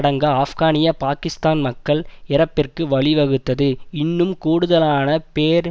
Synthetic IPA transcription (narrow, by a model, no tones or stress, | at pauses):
ɽɐŋɡɐaːfɣaːnɪjɐpaːkɪst̪aːnmɐkːɐɭɪɾɐpːɪrkɯʋɐɭɪʋɐɣɯt̪ːɐðɯɪnːɯmkuːɽɯðɐlaːnɐpeːɾ